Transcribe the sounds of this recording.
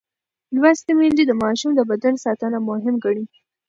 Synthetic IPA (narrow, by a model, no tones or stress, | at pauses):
lwast̪emend̪id̪əmɑʃumd̪əbad̪ansɑt̪ənamʊɦɪmɡaɳi